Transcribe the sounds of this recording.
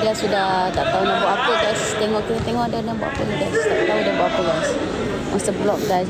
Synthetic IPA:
diasudaht̪aʔt̪aunabɔʔapəɡajst̪ɛŋɔʔkiit̪eŋɔhdadiãbɔ̰ʔa̰pənɡajst̪aʔt̪audabɔaʔapəɡajs | wɔ̃st̪əblɔk̚ɡajs

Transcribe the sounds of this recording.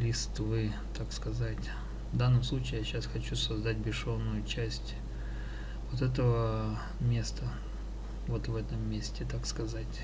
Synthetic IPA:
ɾʲɪst̪vɨ | t̪akskɐzatʲ | vd̪anːəmslˠut͡ɕɪːjaɕasxɐt͡ɕusɐzd̪at̚ʲbʲɪʂo̞vnːʊjʊt͡ɕæsʲtʲ | vot̪ɛt̪̬əvə | mʲe̞st̪ə | vot̪vɛt̪əmːʲesʲtʲɪt̪akskɐzatʲ

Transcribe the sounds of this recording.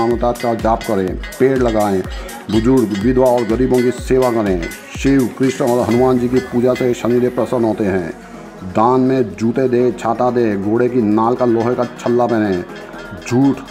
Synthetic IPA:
aːmət̪aːt̪kad͡ʒaːpkəɾẽːpeːɽləɡaːẽ | bʊd͡ʒʊɾɖʋɪd̪ʱʋaɔːɾɡəɾiːbõkiseːʋakəɾẽ | ʃiwkɾɪʃnɔːɾɦənʊmaːnd͡ʒikipuːd͡ʒaseʃəniːɾepɾəsənɦoːt̪eɦɛ̃ː | d̪aːnmẽd͡ʒuːt̪ed̪eːt͡ʃʰaːt̪ad̪eːɡoːɽekinaːlkaloːɦekat͡ʃʰəlːapɛːnẽ | d͡ʒʱuːʈ

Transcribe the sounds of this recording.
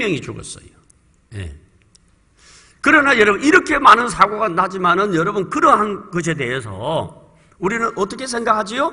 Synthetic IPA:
jʌŋit͡ɕoɡʌ̰s͈ʌ̰jo | jḛ | kɯɾʌnajʌɾʌbɯniɾʌkʰe̞manɯnsʰaɡoɡanad͡ʑimanɯnjʌɾʌbunkɯɾʌnɦankɯs̬ʰe̞de̞ɦesʰʌ̰ | uɾinɯnʔʌt͈ʌkʰe̞sʰe̞ŋɡakʰad͡ʑijo

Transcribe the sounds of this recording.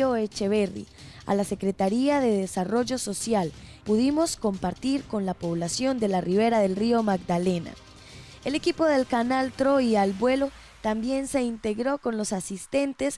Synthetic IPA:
oet͡ʃe̞βe̞rḭ | a̰lase̞kɾe̞t̪aɾiaðe̞ðesaro̞ʝo̞so̞sjalpuðimo̞sko̞mpaɾt̪iɾko̞nlapo̞βlasjo̞nd̪e̞lariβ̞e̞ɾaðe̞lrio̞maɡd̪ale̞na̰ | e̞le̞kipo̞ðe̞lkanalt̪ɾo̞ialbwe̞lo̞ | t̪ambje̞nse̞int̪e̞ɣɾo̞ko̞nlo̞sasist̪e̞nt̪e̞s

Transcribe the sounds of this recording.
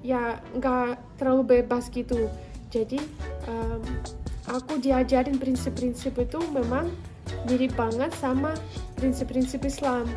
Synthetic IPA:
jaŋɡaʔt̪əɾlalubebasɡit̪u | d͡ʒadiʔəmʔakudiad͡ʒaɾɪnpɾinsɪpːɾinsɪpit̪umemaŋ | diɾibaŋət̪̚samapɾɪnsɪpːɾinsɪpislam

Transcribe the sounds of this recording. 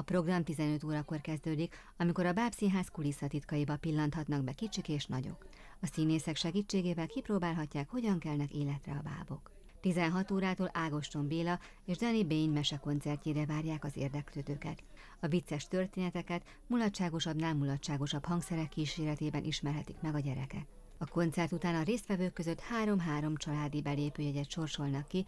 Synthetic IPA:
ɒpro̞ɡrɒmt̪izɛnø̞t̪oːɾɒko̞rkɛzd̪øːd̪ik | ɒmiko̞ɾɒbaːpsiːnɦaːskulisɒt̪it̪kɒjibɒpilːɒnt̪hɒt̪nɒɡbɛkit͡ʃikeːʃnɒɟo̞̰k | ɒsiːneːsɛkʃɛɡiːt͡ʃːeːɡeːvɛlkiproːbaːlɦɒcːaːkho̞ɟɒŋkɛlnɛkeːlɛt̪rɛ̰ɒba̰ːbo̞̰k | t̪izɛnɦɒt̪oːɾaːt̪oːlʔaːɡo̞ʃt̪o̞mbeːlɒ | eːʒd̪ɒnibeːɲmɛʃɛko̞nt̪sɛrceːɾɛvaːrjaːkɒzḛːrd̪ɛkløːd̪øːkɛ̰t̪ | ɒvit̪sɛʃt̪ø̞rt̪eːnɛt̪ɛkɛt̪ | mulɒtt͡ʃːaːɡo̞ʃɒbnalmːulɒtt͡ʃːaːɡo̞ʃɒphɒŋksɛɾɛkːiːʃeːɾɛt̪eːbɛnʔiʃmɛrɦɛt̪ikmɛɡɒɟɛɾɛkɛ̰k̚ | ɒko̞nt̪sɛrt̪ut̪aːnɒɾeːst̪ʋɛvøːkːø̞zø̞t̪haːɾo̞mɦaːɾo̞mt͡ʃɒlaːd̪ibɛleːpøːjɛɟɛt̪ʃo̞ːrʃo̞lnɒkːi

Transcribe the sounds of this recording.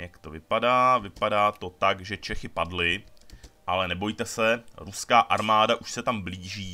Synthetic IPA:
jakt̪o̞vɪpadaːvɪpadaːt̪o̞t̪aɡʒɛt͡ʃɛxɪpadlɪ | ʔalɛnɛbo̞jt̪ɛsɛɾuskaːʔaɾmaːdaʔuʃsɛt̪ambliːʒiː

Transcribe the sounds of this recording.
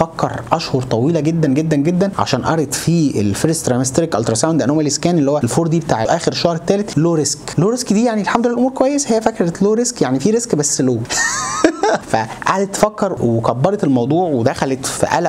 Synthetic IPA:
fækːɑ̰ɾˤʔæʃhoɾˤt̪ˤɑwiːlæɡed̪ːænɡed̪ːænɡed̪ːænʕa̰ʃæːnʔɑ̰ɾˤet̪ˤfiːḛlfeɾest̪ɾɑjmest̪ɾikʔɑlt̪ɾˤɑsæwnd̪ænomæleskæːnʔelːihowːæelfoːɾˤd̪iːbet̪aːʕeʔæːxeɾeʃːɑhɾet̪ːæːlet̪loːɾesklːoːɾeskd̪iːjaʕnielħamd̪olːælʔomuːɾkowæjːeshejːæfækɑɾˤet̪loːɾeskjaʕnifiːɾezkbæsːloː | fæʔa̰ʕd̪et̪ːfækːɑɾˤwekæbːɑɾˤɑt̪elmɑwd̪ˤuːʕwed̪æxælet̪fḭʔæ̰læ

